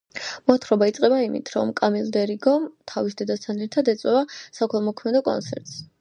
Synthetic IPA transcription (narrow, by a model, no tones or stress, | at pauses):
mɔt̪ʰɾɔbait̪sʼqʼɛbaimḭt̪ʰɾɔ̰mkʼamilˠd̪ɛɾiɡɔmt̪ʰavisd̪ɛd̪ast̪ʰanɛɾt̪ʰad̪ɛt̪sʼwɛvasakʰɛlˠmɔkʰmɛd̪ɔkʼɔ̰nt̪sʰɛ̰ɾt̪ʼs